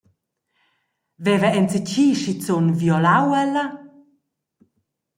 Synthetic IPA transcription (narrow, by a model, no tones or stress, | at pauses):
vɛvəɛnt͡sət͡ɕiːʃit͡sonvjɔlawɛlə